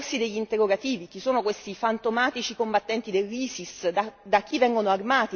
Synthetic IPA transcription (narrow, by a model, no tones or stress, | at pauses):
rsid̪eʎːint̪erːoɡat̪iːvik̟isoːnokwest̪ifant̪omaːt̪it͡ʃikombat̪ːɛnt̪id̪elːiːsisd̪ad̪ak̟ːivɛŋɡonoarmaːt̪i